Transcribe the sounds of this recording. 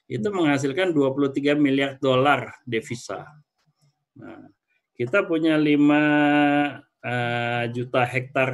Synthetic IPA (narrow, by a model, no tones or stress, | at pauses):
it̪uməŋhas̬ilkanduapuluht̪iɡamiliar̚dolardefisa̰ | na̰ | kit̪apuɲalima | əd͡ʒut̪aɦɛk̚t̪ar